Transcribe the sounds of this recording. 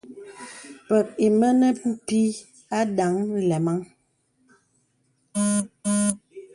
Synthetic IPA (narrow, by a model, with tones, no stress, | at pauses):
pɛ˨k̚i˨mə˦nə˦m̩˦pi˦ | a˦da˨˦ŋn̩˦lɛ˨ma˦ŋ